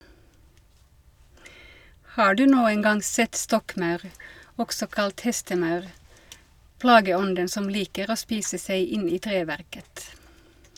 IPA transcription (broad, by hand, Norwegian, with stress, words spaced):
ˈhɑː ˈɖʉː ˈnuːən ˈɡɑŋ ˈsɛt ˈstɔkˌmɑʉʁ ˈɔksɔ ˈkɑlt ˈhɛstəˌmɑʉʁ ˈplɑːɡəˌɔndən ˈsɔm ˈliːkəʁ ˈoː ˈspiːsə ˈsæɪ ˈɪn ˈiː ˈtʁeːʋæʁkət